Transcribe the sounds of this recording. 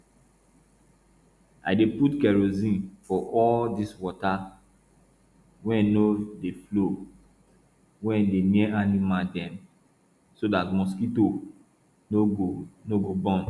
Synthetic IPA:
a̰ɪdeputkɛɹozĩnfɔʔɔldiswɔta | wɛ̃nodeflo | wɛ̃ndemiɛanimadɛ̃m | sodatmɔskito | noɡobɔ̃n

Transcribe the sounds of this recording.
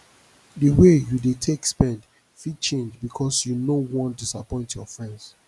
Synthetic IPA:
dəwejudetʰekspɛ̃nd | fid̚t͡ʃẽnd͡ʒbikʰɔsjunowɔ̃ndisapɔ̃ɪ̃ntjɔ̰fɹɛ̃nds

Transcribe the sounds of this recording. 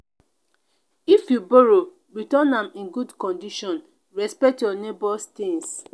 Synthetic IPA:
ifjuboɾo | ɾitɔnãmĩnɡudkɔ̃ndiʃɔ̃n | ɹɛspɛk̚tjɔnebɔstɪ̃ŋs

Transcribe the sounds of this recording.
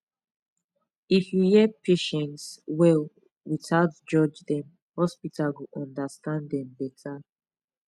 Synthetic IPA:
ifjujɛpʰeʃɛ̃ntswɛl | witʰatd͡ʒɔd͡ʒdɛ̃m | hɔspitʰalɡuʔɔ̃ndəstãndɛ̃mbɛtʰa

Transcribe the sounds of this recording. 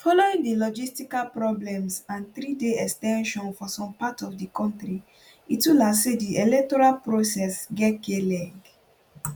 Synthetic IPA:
fɔloĩŋdilɔd͡ʒistikalpɹɔblɛ̃msãnθɾideɛkstɛ̃nʃɔ̃nfɔsɔ̃mpatɔfdikɔ̃ntɹi | itulasediʔelɛk̚tɔɹalpɹosɛsɡɛtkelɛd

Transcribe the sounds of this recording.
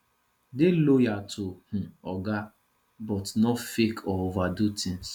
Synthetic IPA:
delojatʰoh̩ɔɡa | bɔtnɔfekʰɔovadutʰɪ̃ŋs

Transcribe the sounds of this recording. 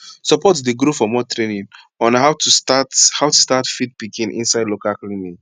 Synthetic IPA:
sɔpɔtdeɡɾufɔmɔtɹenĩn | ɔ̃nhaʊtutathawtustatfit̚pikĩnʔḭ̃nsaɪdlokalklĩmĩn

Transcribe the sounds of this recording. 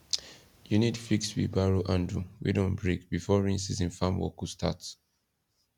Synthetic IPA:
junitfikswḭbaɹoʔãnduwḭdõnbɹekbifɔɹĩnsizĩnfãmwɔ̰kustats

